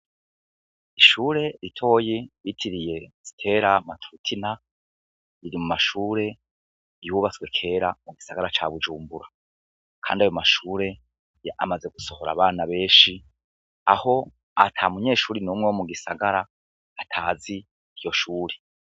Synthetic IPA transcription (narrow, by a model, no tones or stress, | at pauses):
iʃuːɾe̞ɾitʰo̞ːjejitʰiɾije̞z̥i̥tʰe̞ːɾamatʰuutʰina | iɾimumaʃuːɾe̞ | juβat͡swe̞kʰe̞ːɾamuɡisaɡaɾat͡ʃa̰βud͡ʒuːmbuɾa | kʰa̰ːndiajomaʃuːɾe̞ | a̰maze̞ɡuso̞ho̞ɾa̰βaːnaβe̞ːʃi | a̰ho̞ | atʰamuɲe̞ːʃuːɾinuːmŋewomuɡisaɡaɾaː | tʰaːzi | ijo̞ʃuːɾe̥